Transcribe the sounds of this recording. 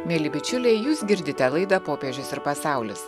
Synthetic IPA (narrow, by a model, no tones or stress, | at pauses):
mʲeːlʲɪbʲɪt͡ʃʲʊlʲɛɪjuːsɡʲɪɾʲd̪ʲɪt̪ʲɛlˠɐɪd̪ɐpoːpʲeʒʲʊsɪɾpɐsɑˑʊlʲʊs